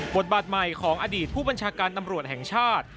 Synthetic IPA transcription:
bo˨˩t̪̚baː˨˩t̪̚ma˨˩jkʰɔː˩˦ŋʔa˧diː˨˩t̪̚pʰuː˥˩ba˧nt͡ɕʰaː˧kaː˧nt̪a˧mɾu˨˩ət̪̚hɛ˨˩ŋt͡ɕʰaː˥˩t̪̚

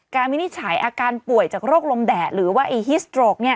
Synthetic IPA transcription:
kaː˧nmi˦˥ni˦˥t̪̚t͡ɕʰaː˩˦jʔaː˧kaː˧npu˨˩əjt͡ɕaː˨˩k̚ɾoː˥˩k̚lo˧mdɛː˨˩t̪̚ɾɯː˩˦waː˥˩ʔa˧ɦi˦˥st̪ɾoː˧˩k̚ni˦˥˩ɐ

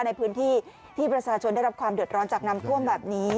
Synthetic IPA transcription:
na˧jpʰɯː˦˥nt̪ʰiː˥˩ | t̪ʰiː˥˩pɾa˧t͡ɕʰaː˧t͡ɕʰo˧nda˥˩jɾa˦˥p̚kʰwaː˧mdɯ˨˩ət̪̚ɾɔː˦˥nt͡ɕaː˨˩k̚na˧˥mt̪ʰu˥˩əmbɛː˨˩p̚niː˦˥

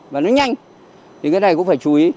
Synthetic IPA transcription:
vaː˨˩nɔ˨˦ɲa˧jŋ̟ | t̪ʰi˨˩kaː˨˦na˧˩jkʊ̰˧˥ŋ͡mfaː˧˩jt͡ɕu˨˧i˨˦

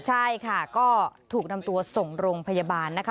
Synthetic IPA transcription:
t͡ɕʰa˥˩jkʰa˥˩kɔː˥˩t̪ʰuː˨˩k̚na˧mt̪u˧ɐso˨˩ŋɾoː˧ŋpʰa˧ja˧baː˧nːa˦˥kʰa˦˥

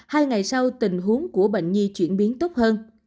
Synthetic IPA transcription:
haː˧jŋa˨˩jsa˧wt̪ï˨˩ŋ̟ɦu˨˦əŋku˧˩əɓə̰˧˨ŋ̟ɲi˧t͡ɕwi˧˩ənɓi˨˦ənt̪o˦˥p̚həː˧n

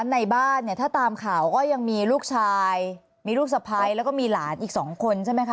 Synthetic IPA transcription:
nːa˧jbaː˥˩nnːi˥˩ɐt̪ʰaː˥˩t̪aː˧mkʰaː˨˩˦wkɔː˥˩ja˧ŋmiː˧luː˥˩k̚t͡ɕʰaː˧j | miː˧luː˥˩k̚sa˧pʰa˧jlɛː˦˥wkɔː˥˩miː˧laː˩˦nʔiː˨˩k̚sɔː˩˦ŋkʰo˧nt͡ɕʰa˥˩jma˦˥jkʰa˦

